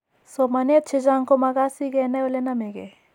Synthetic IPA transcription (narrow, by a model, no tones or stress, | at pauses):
somɐneɐt̪t͡ʃʰed͡ʒaːŋkomɐɡasiɡenɐolenɐmeɡe